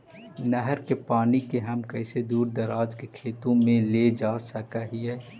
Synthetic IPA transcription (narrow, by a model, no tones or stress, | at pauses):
nəɦəɾkepaːnikeɦɐmkɛɪsed̪uːɾd̪əɾaːd͡ʒkekʰeːt̪õmẽled͡ʒaːsəkaɦiɦɛː